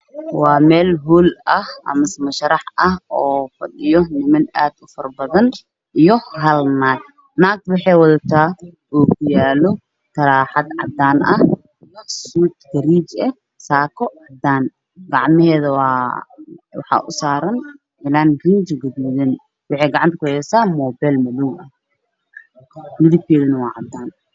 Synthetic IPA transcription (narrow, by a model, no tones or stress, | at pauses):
wɑːmɛːlɦuːlɐhʔɐ̰mɐsmɐʃɐɾɑħɐhɔːfɐ̰ɗɪjɔnɪmɐnaːd̪ʊfɐrbɐðɐn | ijɔɦɐlnaːd̪̚ | naːɡ̚wɑħɛjwɐðɐt̪ʰaː | ʔuːkʰʊjaːlɔ | kʰɐɾaːħɑd̪ʕɑ̰d̪aːnʔɐh | jɐsuːt̪ɡɐɾiːt͡ʃɛ | saːkʰɔʕɑd̪aːn | ɡɑʕmɪhɛːðɐwɑː | wɑħɑ̰ːʔʊsaːɾɐn | ɪlaːnɡind͡ʒɡɐd̪uːðɛn | wɑħɛjɡɑʕɑnt̪ɐkʊhɛːsaːmɔːbɛlmɐluːmɐh | mɪðɪb̚k̪ʰɛːðɐnɐwɑːʕɑd̪aːn